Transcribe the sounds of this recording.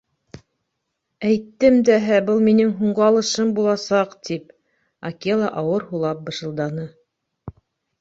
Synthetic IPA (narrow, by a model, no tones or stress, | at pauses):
æjt̪ːɘmd̪æɦæbɤlˠminɘŋɦuɴɢɤɑlˠɤ̆ʃɤmbulˠɑsɑqt̪ip̚ | akʲelˠɑ̰ʔɑwɤɾhulˠɑp̚bɤ̆ʃɤ̆lˠd̪ɑnɤ